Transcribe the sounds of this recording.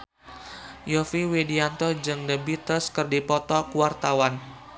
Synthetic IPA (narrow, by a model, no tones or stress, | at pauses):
jɔfiwediant̪ɔd͡ʒɨŋdəbit̪əskərdipɔt̪ɔkuwart̪awan